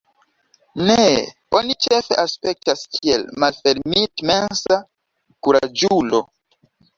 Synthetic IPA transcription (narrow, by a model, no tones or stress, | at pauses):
ne | o̞nit͡ʃe̞fe̞̰ʔaspe̞k̚taskʰielmalfe̞ɾmitme̞nsa | kuɾa̰d͡ʒulo̞̰